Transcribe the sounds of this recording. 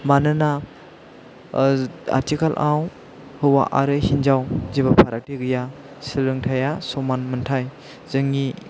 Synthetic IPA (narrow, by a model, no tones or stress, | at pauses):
manɯna | a̰ɾtʰikalʔaw | hɯwa̰ʔaɾɯhinzawzibapʰaɾak̚tiɡɯja | sɯɾɯŋtʰajasɔmanmɯntʰaj | z̥ɯŋi